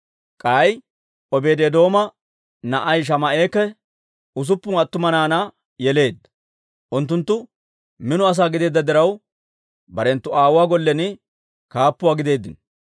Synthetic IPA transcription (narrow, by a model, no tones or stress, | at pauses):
kʼaːj | ɔbe̞ːd̪eːd̪o̞ːmɐ | nɐʔɐjʃ̬ɐmɐʔe̞ːkːɛ | ʊs̬ʊpːʊŋɐt̪ːʊmɐnaːnɐ | jɛle̞ːd̪ːɐ̥ | ʔʊnt̪ːʊnt̪ːʊ | mɪnʊɐs̬aːɡɪd̪e̞ːd̪ːɐd̪ɪɾɐw | bɐɾɛnt̪ːʊaːwwaːɡɔlːɛnɪ | kaːpːʊwaːɡɪd̪e̞ːd̪ːɪn